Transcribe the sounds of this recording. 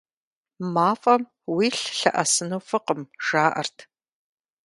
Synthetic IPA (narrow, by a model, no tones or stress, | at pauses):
maːfʼɐm | wiːɬɬɐʔɐsɨnowfɨqəmʒaːʔɐ̰rtʰ